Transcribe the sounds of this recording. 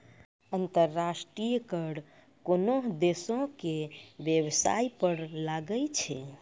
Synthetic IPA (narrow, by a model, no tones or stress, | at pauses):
ənt̪əɾːasʈɾijkəɽ | konoɦd̪esõkebjəbsa̰ipəɾlaɡəlt͡ʃʰɛ